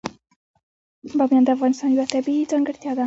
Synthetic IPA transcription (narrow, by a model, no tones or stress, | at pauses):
bamjɑnd̪afɣɑnɪst̪ɑnjwat̪abiid͡zɑŋɡəɾt̪jɑd̪a